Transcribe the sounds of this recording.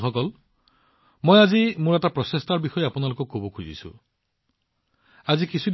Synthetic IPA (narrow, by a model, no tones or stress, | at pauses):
kʰɔkɔl | mɔjad͡ʒimuɾaʈapɾɔsest̪aɾbixɔjeapunalokukobɔkʰud͡ʒḭsṵ | ad͡ʒikisʰud